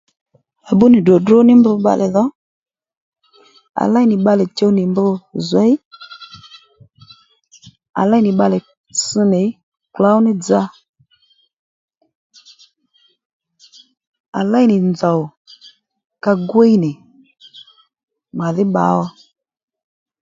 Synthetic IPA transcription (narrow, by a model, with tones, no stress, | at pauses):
a˨bʊ˦nɪ˨dɔ˨dʊ˦nɪ˦mbʊ˧ɓa̰˧lɛ˨ðɔ˨˦ | a̰˨la˦jnɪ˨ɓa˧lɛ˨t͡ʃe˦˧wnɪ˨mbʊ˧zwɛ˨˦j | a̰˨la˦jnɪ˨ɓa˧lɛ˨ | sɨ˧nɪ˨˦ | kla˨˦wnɪ˦d͡za˧ | a̰˨la˦jnɪ˨nd͡zɔ˨w | ka˧ɡwe˦jnɪ˨ | ma˨ðɪ˦ɓa̰˨˦ɔ˧˦